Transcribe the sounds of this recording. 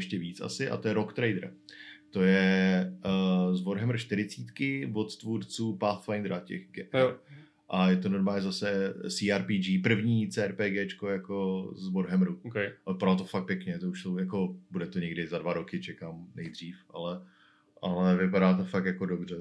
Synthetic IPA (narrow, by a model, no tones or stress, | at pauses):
ɛʃcɛviːt͡sʔa̰sɪʔa̰t̪ojɛɾokt̪ɾɛjd̪ɾt̪o̞jɛ | zvoɾɦɛmɾ̩ʃt̪ɪɾɪt͡siːt̪kɪbo̞t̪t̪vuɾt͡suːpaːθt̪fajnd̪ɾacɛ̰xɡɛ | ʔajɛt̪onoɾmaːɲɛzasɛsiːaːɾpiːd͡ʒiːpr̩vɲiːt͡sɛːɛɾpɛːɡɛːt͡ʃkojako̞zvoɾɦɛmɾuokɛɪpaɾat̪ofak̚pjɛkɲɛt̪ouʃsowjako̞budɛt̪oɲɛɡdɪzadvaɾokɪt͡ʃɛkaːmnɛjd̪r̝iːfʔalɛ | ʔalɛvɪpaɾaːt̪ofak̚t̪jako̞dobr̝ɛ